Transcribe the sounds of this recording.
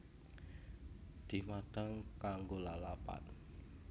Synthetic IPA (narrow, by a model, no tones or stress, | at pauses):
d̪̥i̤mad̥əŋkaŋɡolalapa̰t̪̚